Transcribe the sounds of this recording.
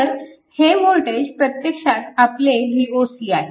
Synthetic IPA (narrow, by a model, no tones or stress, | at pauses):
əɾ | hemoɭʈed͡ʑpɾət̪jekʂat̪apleɦiːosiːaɦe